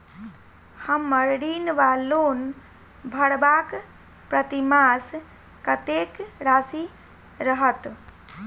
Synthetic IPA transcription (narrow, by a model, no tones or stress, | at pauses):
həmːəɾɽinʋalon | bʱəɽbak | pɾət̪imas | kət̪ekɾasi | ɾəɦət̪